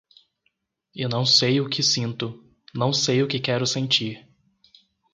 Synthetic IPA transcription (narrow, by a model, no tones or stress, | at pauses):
ɪnɐ̃w̃sejʊkʰɪsĩnt̪ʊ | nɐ̃w̃sejʊkɪkɛɾʊsẽnt͡ʃiɾ